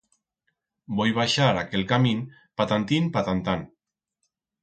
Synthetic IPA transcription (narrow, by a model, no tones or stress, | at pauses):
bojβ̞aʃaɾakelkamin | pat̪ant̪inpat̪ant̪an